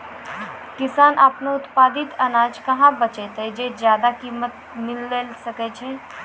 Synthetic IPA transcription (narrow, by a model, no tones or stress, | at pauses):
kɪsaːnʔaːpneʊt̪paːd̪ɪt̪ɐnaːd͡ʒkɐɦãbɐt͡ʃet̪ɦed͡ʒeːzjaːd̪akiːmət̪̚ | mɪlːeːlsɐket͡ʃʰeː